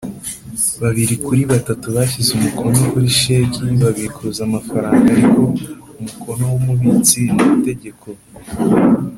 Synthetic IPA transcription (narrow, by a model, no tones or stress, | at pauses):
βaβiɾikuɾiβatatuβaçizumukʰo̞ɲokuɾiʃe̞ciβaβiɾikʰuzamafaɾaːŋɡaɾiko̞ | umukʰo̞no̞wumuβit͡sinuβite̞ɟe̞kʰo̞